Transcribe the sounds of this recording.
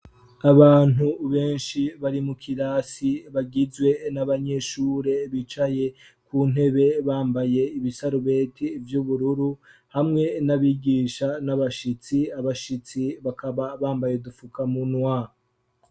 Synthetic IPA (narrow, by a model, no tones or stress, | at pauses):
aβaːn̥uβe̞ːnʃiβaɾimukʰiɾaːsiβaɡizɡwe̞naβaɲe̞ʃuːɾe̞βit͡ʃaje̞ | kuːn̥he̞βe̞βaːmbaje̞iβisaɾuβe̞ːtʰivjuβuɾuɾuhamŋe̞naβiɡiːʃanaβaʃit͡siaβaʃit͡siβakʰaβaβaːmbajedufukamunwa